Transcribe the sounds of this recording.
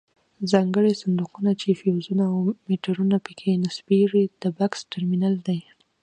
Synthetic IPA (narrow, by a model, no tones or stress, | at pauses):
zɑŋɡəɽesand̪uqunat͡ʃefewzunaawmeʈaɾunapəkʰenɪsbeʐid̪̥əbaksʈaɾminald̪aj